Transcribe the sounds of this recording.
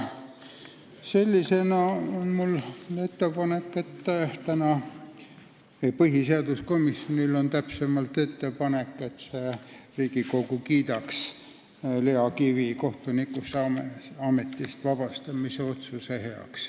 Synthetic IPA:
se̞lʲːisenɑo̞nmule̞t̪ːe̞pɑne̞kːet̪ːt̪ænɑ | epɤɦiseɑd̪̥usko̞misjo̞nilo̞nt̪æpse̞mɑlt̪e̞t̪ːe̞pɑne̞kːe̞t̪se̞riːɡ̥iko̞ɡukiːd̪̥ɑks | le̞ɑkiviko̞ht̪unikusɑmɑme̞t̪ːˑist̪vɑb̥ɑst̪ɑmiseo̞t̪suseheɑ̰ks

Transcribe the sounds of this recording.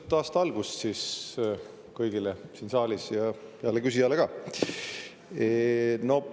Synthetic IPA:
t̪ːɑːst̪ɑɑlɡ̥ust̪sis | kɤjɡ̥ilesinsɑːlisjɑɑlːekys̬ʲijɑleɡ̥ɑː | eno̞

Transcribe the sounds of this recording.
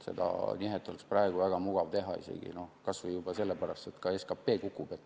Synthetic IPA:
se̞̰d̪̥ɑ̰niɦet̪ːˑo̞leksprɑe̞ɡ̥uvæɡ̥ɑmuɡ̥ɑvt̪e̞ɦɑ̰ḭsḛɡ̥ḭno̞hkɑsvɤjub̥ɑse̞lːepæɾɑst̪et̪kɑeskɑpːe̞ːkukːˑub̥et̪ː

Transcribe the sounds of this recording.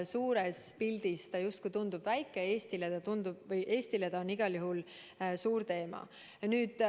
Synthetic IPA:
suːɾespild̪ist̪ɑjust̪kujt̪und̪ub̥væjkˑːee̞ːst̪ilet̪ɑt̪und̪ub̥vɤjʔe̞ːst̪iled̪ɑoniɡ̥ɑljuɦul | suːɾt̪e̞ːmɑ̰ | nyːd̪̥

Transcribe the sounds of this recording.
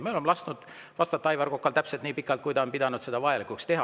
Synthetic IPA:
meolemlɑst̪nud̪̥ | vɑst̪ɑt̪ːˑɑjvɑɾko̞kːˑɑlt̪æpset̪niːpikːˑɑlt̪kujd̪ɑonpid̪̥ɑnud̪se̞d̪ɑvɑjɑlikːˑukst̪e̞ɦɑ

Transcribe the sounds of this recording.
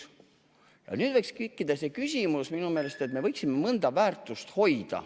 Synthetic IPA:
jɑ̰nyːd̪vɤjkskykːˑid̪̥ɑse̞kysʲimusminume̞ːle̞st̪e̞t̪me̞vɤjksimːemɤnd̪̥ɑvæːrt̪ːˑust̪ho̞jd̪̥ɑ̰

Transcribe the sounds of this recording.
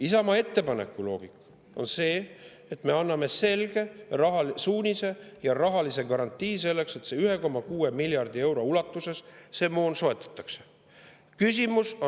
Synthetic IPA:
isɑmɑe̞t̪ːe̞pɑne̞̰kːˑulo̞̰ːɡ̥ikːˑ | o̞̰nse̞ː | et̪me̞ɑnːɑme̞se̞lɡ̥e̞rɑɦɑlsuːnʲise̞jɑrɑɦɑlise̞kɑɾɑnt̪ːˑiːse̞lːe̞kse̞t̪seːyɦe̞ko̞mːɑkuːe̞miljɑrd̪̥ie̞wɾo̞ulɑt̪ːˑuse̞sse̞mo̞ːnso̞e̞t̪ːˑɑ̥t̪ːˑɑ̥kse̥ | kysʲimuso

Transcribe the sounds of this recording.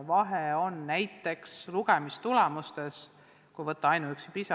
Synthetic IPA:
vɑɦeo̞nːæjt̪ːˑe̞ksluɡ̥emist̪ulɛmust̪e̞s | kujvɤt̪ˑːɑɑjnuyksipisɑ

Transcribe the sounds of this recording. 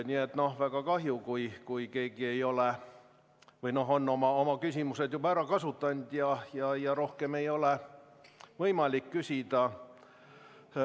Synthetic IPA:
nʲiːet̪ːˑno̞hvæɡ̥ɑkɑɦjukujkujke̞ːɡ̥ie̞jo̞le | vɯjno̞ɦo̞nːo̞mɑomɑkysʲimuse̞d̪̥jubɑæɾɑkɑsut̪ːɑnd̪̥jɑjɑjɑɾo̞hkemejo̞le | vɤjmɑlikːysʲid̪̥ɑ

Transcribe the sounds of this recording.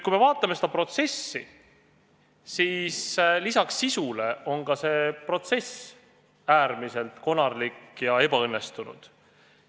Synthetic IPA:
kujmevɑːt̪ːˑɑmesed̪̥ɑpro̞t̪se̞sːi | siːslisɑksːisule̞o̞ŋɡɑse̞pro̞t̪se̞s | æːɾmise̞lt̪ko̞nɑrlikjɑe̞bɑɤnːe̞st̪unṵd̪̥

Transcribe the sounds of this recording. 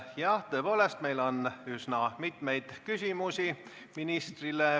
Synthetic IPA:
jɑt̪ɤ̞epo̞ːle̞st̪me̞jlo̞nysnɑmit̪me̞jd̪̥kysʲimusi | minist̪rile

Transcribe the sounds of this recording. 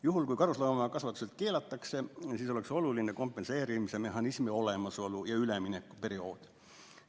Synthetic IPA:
juɦulkujkɑɾuslɑːmɑkɑsvɑt̪ːˑu̥se̞lt̪̚ke̞ːlɑt̪ːˑɑkse̞siːso̞le̞kso̞lulineko̞mpːˑe̞nse̞ːɾimise̞me̞ɦɑnismio̞le̞mɑso̞lujɑyleminekːˑu̥pe̞ɾio̞ːd̪̥

